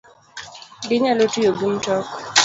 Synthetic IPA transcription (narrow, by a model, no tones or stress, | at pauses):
dɪɲalotujoɡum̩tɔk